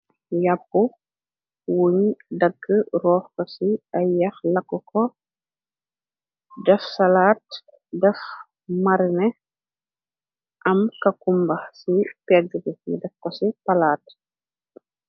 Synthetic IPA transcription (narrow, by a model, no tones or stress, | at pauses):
jap̚ːu | wuɲdɐɡːərɔːxkɔsiɐjɐxlɐkːukɔ | dɛfsɐlaːt̚ | dɛf | mɐɾnɛ | ʔɐmkɐkumbɐxsipɛd͡ʒəɡəmdɛfkɔsipɐlaːt